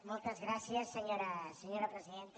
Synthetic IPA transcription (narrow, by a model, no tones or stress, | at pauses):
mũlˠt̪ɐzɣɾasiɐsɨɲoɾɐseɲoɾɐpɾɨziðẽnt̪